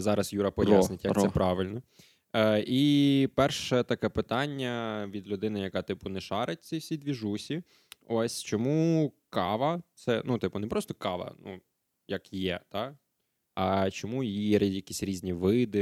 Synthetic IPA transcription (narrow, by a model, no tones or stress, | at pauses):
zɑɾɐsjuɾɐpɔjasnɪtʲjɐk̪ɛpɾɑʋɪlʲnɔ | ʔipɛrʃɛt̪ɐkɛpɪt̪ɑnʲːɐʋʲid̪lʲʊd̪ɪnɪjɐkɑt̪ɪpʊnɛʃɑɾet̚ʲsʲɐwsʲid̪ʋʲiʒusʲi | ɔsʲt͡ʃɔmukɑʋɐt̪sɛnut̪ɪpʊnɛpɾɔst̪ɔ̥kɑʋɐ̰nu | jɐkjɛt̪ɑ | ɐt͡ʃɔmujijɛjɐkʲisʲɾʲizʲnʲiʋɪd̪ɪ